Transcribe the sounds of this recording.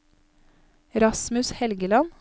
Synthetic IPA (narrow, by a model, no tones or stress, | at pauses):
ɾɑsmʉshɛlɡəlɑn